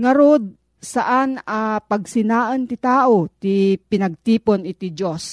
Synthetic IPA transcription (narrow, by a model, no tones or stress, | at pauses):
ŋɐɾod̪̚ | saʔanɐpɐɡ̚sɪnaːʔənt̪ɪt̪aːʔot̪ɪpɪnɐɡ̚t̪iːponɪt̪ɪd͡ʒos